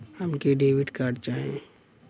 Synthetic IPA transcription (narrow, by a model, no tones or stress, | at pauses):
həmkeɖeːʋɪʈkaːɾɖ̚t͡ʃaːɦẽ